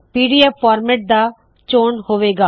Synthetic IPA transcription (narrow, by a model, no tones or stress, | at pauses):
piːɖiepːaːɾmeːʈ̚d̪a | t͡ʃoːɳhoːʋeːɡaː